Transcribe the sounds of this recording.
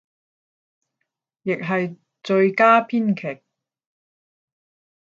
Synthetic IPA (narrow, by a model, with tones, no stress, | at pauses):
jɪ˨k̚ɦɐ˨j | t͡sɵ˧ɥkaː˥pʰiː˥nkʰɛ˨˩k̚